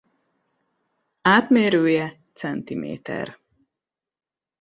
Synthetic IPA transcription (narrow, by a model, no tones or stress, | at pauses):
aːt̪meːɾøːjɛt̪sɛnt̪imḛːt̪ɛ̰r